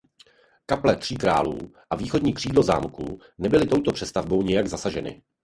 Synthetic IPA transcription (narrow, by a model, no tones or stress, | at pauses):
kaplɛt̪r̝̥iːkɾa̰ːlṵːʔaviːxo̞dɲiːkr̝̥iːdlo̞za̰ːmkṵ | nɛbɪlɪt̪o̞wt̪opr̥ɛst̪avbo̞wɲɪjaɡzasaʒɛnɪ̰